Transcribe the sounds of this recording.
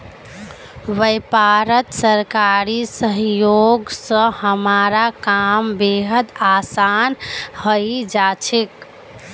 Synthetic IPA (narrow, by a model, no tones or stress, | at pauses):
ʋəjpaɾət̪səɾkaɾisəɦjoɡsə̃həmaɾakambeɦəd̪asanhəjd͡ʒat͡ʃʰik